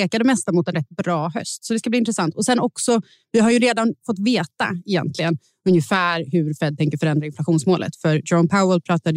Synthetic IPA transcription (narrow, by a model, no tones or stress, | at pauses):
eːkad̪ɛmɛst̪amʊt̪ɛnɾɛt̪̚ːbɾɑːɦœ̰st̪sɔd̪ɛskabliːɪnt̪ɾɛsant̪ɔsɛnɔksɔ | vɪɦaɾjɵɾeːd̪anfɔt̪ːveːt̪a̰ɛjɛ̰nt̪lɪɡən | ɵnjəfæːɾɦɵɾfɛd̪t̪ʰɛŋkəɾfœɾɛnd̪ɾaɪnflaɧuːnsmoːlʔə̰t̪fœɾdɔnpʰaʊəlpʰɾɑːt̪ad̪